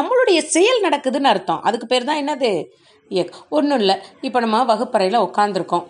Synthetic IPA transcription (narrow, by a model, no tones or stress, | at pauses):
nɐmːɐɭɯɽɐjɐsɛjɐlnɐɽɐkːɯðɯnaɪɾɯt̪ːõ̰ːʔɐðɯkːɯpeːɾt̪ãːɛnːɐðɯ | jɛkːɔnːɯɪlːɐɪpːoːnɐmːaʋɐɣɯpːɐɾɐjlɐɔkːaːnd̪ɪɾɯkːʊ̃